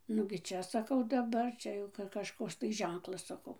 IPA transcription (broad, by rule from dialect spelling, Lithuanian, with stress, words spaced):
nʊɡʲɪ ˈt͡ʃʲɛ ˈsɑːkɐʊ dɐˈbɐr ˈt͡ʃʲɛ jɛʊ kɐʃˈkoːks tɐɪ ˈʒʲɛŋklˠɐs sɐˈkɐʊ